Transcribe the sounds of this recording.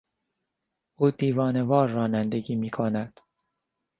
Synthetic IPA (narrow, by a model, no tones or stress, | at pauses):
ʔuːd̪iːvɒːnevɒːɾːɒːnænd̪eɟiːmiːkʰonæd̪̥